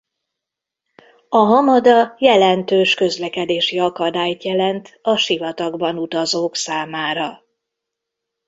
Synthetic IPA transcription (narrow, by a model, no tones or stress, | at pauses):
ɒɦɒmɒd̪ɒjɛlɛnt̪øːʃkø̞zlɛkɛd̪eːʃiɒkɒd̪aːjt̪jɛlɛnt̪ɒʃivɒt̪ɒɡbɒnut̪ɒzoːksaːmaːɾɒ